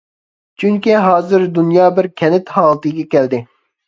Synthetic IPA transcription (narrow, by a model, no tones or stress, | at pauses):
t͡ʃʰyŋkʲiɦɑːzɨɾd̪unjɑːbɪɾkʲʰɛnɪt̪hɑːlˠt̪ɨɡʲɛkʲʰɛld̪ɪ